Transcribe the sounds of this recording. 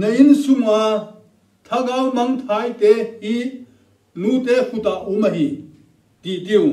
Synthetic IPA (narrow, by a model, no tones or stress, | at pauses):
nɐjinsuma | t̪ʰɐɡawmɐŋt̪ʰajt̪ehi | lut̪ehut̪aʔumɐɦi | t̪it̪iju